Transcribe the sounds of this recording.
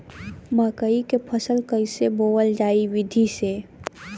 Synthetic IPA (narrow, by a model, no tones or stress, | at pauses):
makəikepʰəsəlkəɪseboːwəld͡ʒaːiwɪd̪ʱise